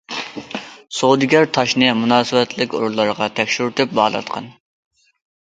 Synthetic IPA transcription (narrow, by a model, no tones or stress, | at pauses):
sod̪ɪɡʲæɾt̪ʰɑʃnɨmunɑːsɨwɛt̪ʰlɪkʲo̰ɾulˠːɑɾʁɑt̪ʰɛkʲʃyɾt̪yp̚bɑːlˠɑ̰t̪qʰɑ̰n